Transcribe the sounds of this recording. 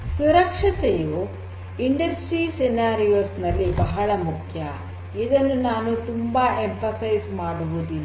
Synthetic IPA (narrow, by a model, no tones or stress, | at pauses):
suɾɐkʂɐt̪ejo | iɳɖɐsʈɾisenaːɾijoːɾsnɐlːibɐɦɐɭɐmukʰjɐ | id̪ɐnːunaːnut̪umbɐempʰɐsɐjsmaːɽuɦud̪in